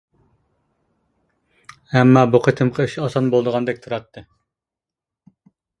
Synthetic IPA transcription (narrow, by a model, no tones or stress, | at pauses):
ɛmːɑːbuqʰət̪ʰɨmqʰɑiʃɑsɑnbolˠd̪əʁɑnd̪ɛk̚ʲt̪ʰuɾɑt̪ʰːɨ